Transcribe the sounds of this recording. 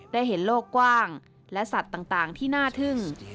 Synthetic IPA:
daː˥˩jɦe˩˦nloː˥˩kːwaː˥˩ŋ | lɛ˦˥ʔsa˨˩t̪ːaː˨˩ŋt̪aː˨˩ŋt̪ʰiː˥˩naː˥˩t̪ʰɯ˥˩ŋ

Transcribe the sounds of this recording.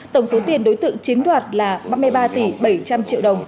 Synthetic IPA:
t̪ə˧˩wŋ͡mso˨˦t̪i˨˩ənɗo˨˦jt̪ɨ̰˧˨ŋt͡ɕi˨˦ŋɗwaː˨˩t̚laː˨˩ɓaː˧mɨ˧əjɓaː˧t̪i˧˩ɓə˧˩jt͡ɕa˧mt͡ɕḭ˧˨wɗə˨˩wŋ͡m

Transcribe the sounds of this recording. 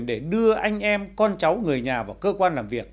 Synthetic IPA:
ɗe˧˩ɗɨ˧əʔa˧jŋ̟ʔɛ˧mkɔ˧nt͡ɕa˨˦wŋɨ˨˩əjɲaː˨˩vaː˨˩wkəː˧kwaː˧nlaː˨˩mvi˨˩ək̚

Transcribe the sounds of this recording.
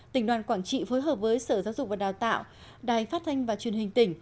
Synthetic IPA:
t̪ï˧˩ŋ̟ɗwaː˨˩nkwaː˧˩nt͡ɕḭ˧˨fo˨˦jɦəː˨˩p̚vəː˨˦jsəː˧˩zaː˨˦wzʊ˨˩k͡p̚vaː˨˩ɗaː˨˩wt̪a̰ː˧˨w | ɗaː˨˩jfaː˦˥t̚t̪ʰa˧jŋ̟vaː˨˩t͡ɕwi˨˩ənhï˨˩ŋ̟t̪ï˧˩ŋ̟

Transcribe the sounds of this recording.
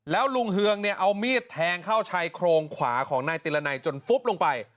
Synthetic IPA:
lɛː˦˥wlu˧ŋɦɯ˧əŋni˥˩əʔa˧wmiː˥˩t̪ʰːɛː˧ŋkʰaː˥˩wt͡ɕʰa˧jkʰɾoː˧ŋkʰwa̰ː˩˦kʰɔː˩˦ŋnaː˧jt̪iː˧la˧na˧jt͡ɕo˧nfu˦˥p̚lo˧ŋpa˧j

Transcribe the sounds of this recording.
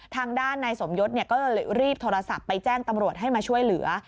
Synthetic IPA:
t̪ʰaː˧ŋdaː˥˩nːaː˧jso˩˦mjo˦˥t̪̚ni˥˩ɐkɔː˥˩llɾiː˥˩p̚t̪ʰoː˧ɾa˧sa˨˩pːa˧jt͡ɕɛː˥˩ŋt̪a˧mɾu˨˩ət̪̚ɦa˥˩jmaː˧t͡ɕʰu˥˩əjlɯ˩˦ɐ

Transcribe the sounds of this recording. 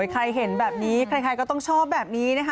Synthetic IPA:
jkʰɾa˧jɦe˩˦nbɛː˨˩p̚niː˦˥kʰɾa˧jkʰa˧jkɔː˥˩t̪ɔ˥˩ŋt͡ɕʰɔː˥˩p̚bɛː˨˩p̚niː˦˥na˥˩k

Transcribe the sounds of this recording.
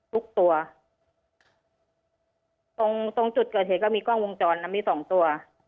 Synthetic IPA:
t̪ʰu˦˥k̚t̪u˧ɐ | t̪o˧ŋt̪o˧ŋt͡ɕu˨˩t̪̚kɤː˨˩t̪̚eː˨˩˦kɔ˥˩miː˧kɔː˥˩ŋwo˧ŋt͡ɕɔː˧nːa˦˥miː˧˩sɔː˩˦ŋt̪u˧ɐ

